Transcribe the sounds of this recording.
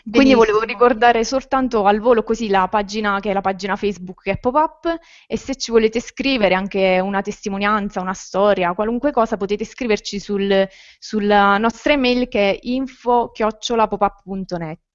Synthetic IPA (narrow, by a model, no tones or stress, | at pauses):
kwind̪ivoleːvorikord̪aːɾesolt̪ant̪oalvoːlokozilapad͡ʒinakeɛlːapad͡ʒinafɛjzbukkɛpːopapː | eset͡ʃːivoleːt̪eskɾiːveɾeaŋk̟eunat̪est̪imonjant̪saunast̪ɔːɾjakwaluŋkwekɔːsapot̪eːt̪eskɾiːvert͡ʃisul | sulanɔst̪ɾemɛjlkɛiɱfok̟jɔt͡ʃːolapopapːpunt̪onɛt̪ː